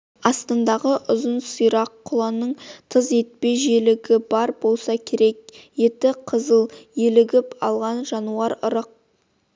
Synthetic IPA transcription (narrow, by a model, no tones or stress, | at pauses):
ɑst̪ɑnd̪ɑʁəʔʊzənsujɾɑqʰːʊlˠɑnəɴt̪ʰəze̞t̪̚pe̞ʒelɪɡʲɪbɑɾbo̞lˠsɑkʲʰe̞ɾe̞k̚je̞t̪ɪqʰəzəlˠjelɪɡʲɪpɑlˠʁɑnʒɑnuɑɾʊɾəq̚